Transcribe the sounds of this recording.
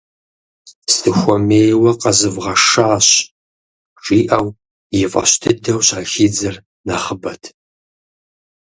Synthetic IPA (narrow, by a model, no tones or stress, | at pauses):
stʰɨxʷɔmeːjwɐqɐzɨvʁɐʂaːɕ | ʈ͡ʂʼiːʔɐw | jɪfʼɐ̰ɕtʰɨdɐwɕaːxiːd͡zɐr | nɐχəbɐtʰ